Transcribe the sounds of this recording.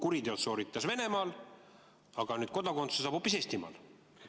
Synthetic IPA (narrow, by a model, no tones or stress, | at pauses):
kuɾid̪eot̪so̞ːɾit̪ːˑɑsve̞ne̞mɑːl | ɑɡ̥ɑnyːd̪̥̚ko̞d̪ɑko̞nt̪sesɑːb̥hopːˑise̞ːst̪imɑ̰ːl